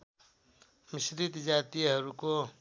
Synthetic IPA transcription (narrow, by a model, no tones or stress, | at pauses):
mɪsɾit̪d͡ʒaːt̪ijɦəɾuko